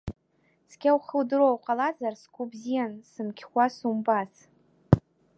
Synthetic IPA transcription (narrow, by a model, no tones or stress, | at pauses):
skʲawχəldɨɾowqʼalazarskʷubzijansɨmkʲʰχʷasumbas